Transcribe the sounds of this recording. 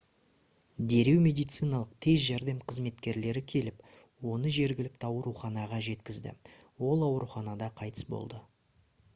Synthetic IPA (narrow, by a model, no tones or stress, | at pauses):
d̪e̞ɾe̞wmʲe̞d̪ijt̪sɨjnɑlˠəq̚t̪ʰe̞zʒæɾd̪e̞mqʰəzme̞t̪kʲe̞ɾle̞ɾɪkʲʰe̞lɪp | wo̞nəʒe̞ɾɡʲɪlɪk̚t̪ɪɑwɾuχɑnɑʁɑʒe̞t̪kʲɪzd̪ɪ̰wo̞lˠɑwɾuχɑnɑd̪ɑqʰɑjt̪ə̥sbo̞̰lˠd̪ə